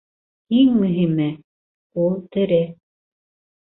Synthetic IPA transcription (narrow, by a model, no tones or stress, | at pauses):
iŋmɵ̆ɦimɘ | ulˠt̪ɘ̆ɾɘ